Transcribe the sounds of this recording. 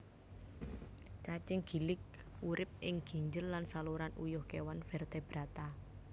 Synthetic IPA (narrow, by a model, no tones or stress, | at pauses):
t͡ʃat͡ʃɪŋɡ̥i̤lɪk̚ | uɾʔɪp̚ɪŋɡ̥i̤ɲd͡ʒəlːansaluɾanujʊhkewanfɛrt̪ɛb̥ɾat̪a